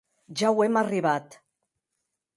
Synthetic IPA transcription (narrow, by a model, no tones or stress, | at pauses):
ʒawɛmariβat̪